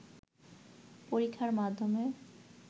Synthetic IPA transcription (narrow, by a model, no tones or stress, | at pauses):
poɾikʰːaɾmad̪ʱːome